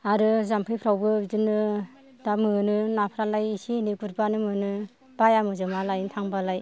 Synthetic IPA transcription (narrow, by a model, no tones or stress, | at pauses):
aɾɯzampʰɯjpʰɾawbɯzɯnɯ | d̥amɯnɯnapʰɾalajisiniɡuɾ̚banɯmɯnɯ | b̥ajamɯzɯmalajntʰaŋbalaj